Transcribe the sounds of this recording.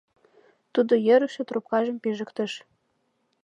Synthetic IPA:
t̪ud̪ojɘ̆ɾɘʃĕt̪rup̚kɑʒɤ̆mpiʒə̆kt̪ə̆ʃ

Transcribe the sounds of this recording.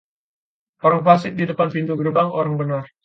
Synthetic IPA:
ʔoɾaŋfas̬ɪʔ̚didəpanpind̪uɡəɾəbaŋoɾaŋbənar

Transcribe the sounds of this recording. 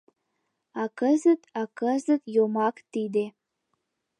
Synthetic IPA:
ɑkəzət̪ɑkəzət̪jomɑkt̪id̪e

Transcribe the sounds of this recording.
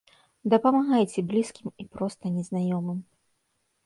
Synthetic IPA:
d̪ɐpɐmaɣajt͡sʲɛblʲiskʲimipɾɔst̪ɐnʲɛznajɔmɨm

